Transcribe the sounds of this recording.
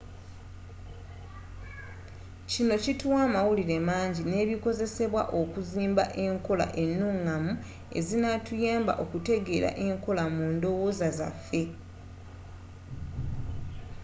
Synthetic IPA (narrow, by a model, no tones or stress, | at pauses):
cino̞cituwaːmawuliɾe̞maːɲɟine̞ːβiko̞ze̞se̞βwa̰ʔo̞kuziːmba̰ʔe̞ŋko̞la̰ʔe̞nːuŋːamu | e̞̰zinatujaːmba̰ʔo̞kute̞ɡe̞ːɾa̰ʔe̞ŋko̞lamuːndo̞woːzaza̰fːe̞